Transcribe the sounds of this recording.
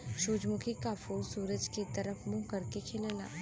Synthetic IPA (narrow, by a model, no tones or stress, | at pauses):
ʃuːd͡ʒmʊkʰikafoːlsuːɾəd͡ʒket̪ɐɾəfmʊ̃kɐɾkekʰelela̰ː